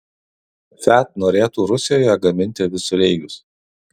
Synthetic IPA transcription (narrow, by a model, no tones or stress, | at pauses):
fʲæˑt̪noːɾʲeːt̪uːɾʊsʲɪjoːjɛɡɐmʲɪnʲt̪ʲɪʋʲɪsʊlʲɛɪɡʲʊs